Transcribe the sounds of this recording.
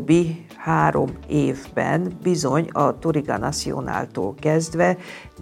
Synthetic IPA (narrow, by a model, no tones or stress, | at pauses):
bːi | haːɾo̞meːvbɛ̰nbizo̞ɲɒt̪oɾiɡɒnɒt̪sio̰na̰ːlt̪oːlkɛzd̪ʋɛ